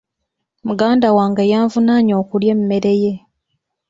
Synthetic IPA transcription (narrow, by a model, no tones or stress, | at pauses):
muɡaːndawaːŋɡajaːɱvunaɲo̞ːkuljemume̞ɾe̞je̞